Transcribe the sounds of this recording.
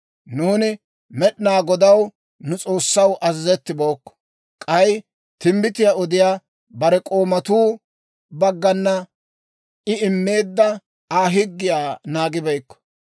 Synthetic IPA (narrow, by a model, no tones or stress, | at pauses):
nuːnɪ | mɛɗnaːɡɔd̪ɐw | nʊt͡sʼo̞ːsːɐwʔɐzzɛt̪ːɪbo̞ːkːɔ̥ | kʼɐj | t̪ɪmbɪt̪ɪjaɔd̪ɪjaː | bɐɾɛkʼo̞ːmɐt̪uː | bɐɡːɐnːɐ | ʔɪɪmːe̞ːd̪ːɐ | aːɦɪɡːɪjaːnaːɡɪbɐjkːɔ̥